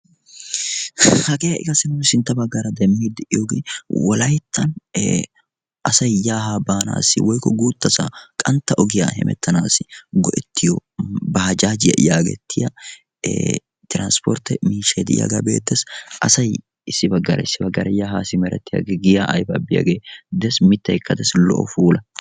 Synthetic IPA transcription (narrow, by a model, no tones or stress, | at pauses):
hɐɡeːjɐʔɪ̰ɡɐsɪnʊnsɪnt̪ːɐbɐɡːɐɾɐd̪ɛmːiːd̪ɪʔɪjoɡwɔlɐjt̪ʰːɐnː | ʔɐsɐjjaːɦaːbaːna̰ːsɪwɔjkːɔɡuːt̪ːɐsɐkʼɐnt̪ːɐʔɔɡɪja̰hɛ̰mɛ̰t̪ʰːɐnaːsɪɡɔʔɛt̪ːɪjɔbɐhɐd͡ʒaːd͡ʒɪjɐ̰ʔɪjaːɡɛ̰t̪ʰːɪjɐ̰ | t̪ɪɾanspɔɾt̪ːɛmiːʃeːd̪ɪɪ̰ja̰ɡabḛːt̪ːɛsʔɐsɐj | ɪsːɪbɐɡːɐɾɐɪsːɪbɐɡːɐɾɐjaːhaːsɪmɛɾɛ̰t̪ːɪja̰ɡɛɡɪjaʔɐjbɐ̰bɪja̰ɡeːd̪ɛsmɪt̪ːɐjkːɐd̪ɐslɔ̰ʔɔ̰fuːlɐ